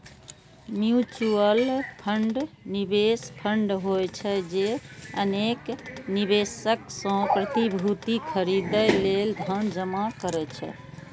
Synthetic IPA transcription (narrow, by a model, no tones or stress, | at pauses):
mjut͡ʃuəlpʰəɳɖnibespʰəɳɖɦojt͡ʃʰɛd͡ʒeəneknibesəksə̃pɾət̪ibʱut̪ikʰəɾid̪əjleld̪ʱənd͡ʒəmakəɾɛt͡ʃʰɛ̰